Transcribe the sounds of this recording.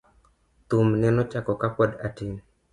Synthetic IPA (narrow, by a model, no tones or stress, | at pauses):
t̪umnɛnɔt͡ʃakɔkapɔdatiŋ